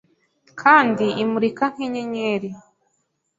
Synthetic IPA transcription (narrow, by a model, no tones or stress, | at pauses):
kʰaːndiʔimuɾikaŋ̥heɲeɲeɾi